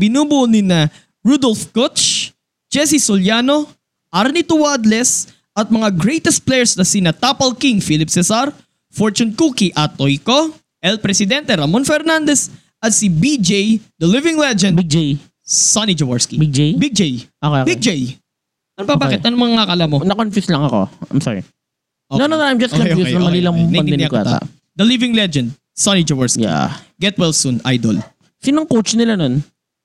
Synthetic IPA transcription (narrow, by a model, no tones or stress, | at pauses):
bɪnuːbʊʔʊnɪnɐ | ɹud̪olfkott͡ʃ | d͡ʒɛs̬isoljano | ʔaɾnit̪ʊwad̪lɛs | ɐt̪̚mɐŋaɡɾɛjt̪ɛst̪̚plɛjɛɹsnɐsinɐt̪apɐlkiŋfilɪpsɛsaɾ | foɹt͡ʃʊnkuːkiʔɐt̪ːojko | ʔɛlpɾɛsɪd̪ɛnt̪ɛɾɐmonfɛɾnand̪ɛs | ɐt̪̚sibid͡ʒejd̪ɐlɪvɪŋlɛd͡ʒɛnbid͡ʒej | sanid͡ʒɐwɐɹskibid͡ʒejbid͡ʒejʔokːbid͡ʒej | ʔɐnbɐbakɪt̪ʔɐnomɐŋŋɐkɐlamonɐkonfɪslɐŋɐko̰ɐ̰jmsɔ̰ɹɪ̰ | ʔonononɐjmd͡ʒɐskɔnojusnɐmɐliːlɐmnɐɐnɪɪnjɐkaːt̪a̰a̰ʔ | d̪ɐlɪvɪŋlɛd͡ʒɛnd̪̚ | sanid͡ʒɐwɐɹskjia̰ɡɛt̪̚wɛlsunʔa̰jd̪o̰l | sinɐŋkowt͡ʃnɪlanon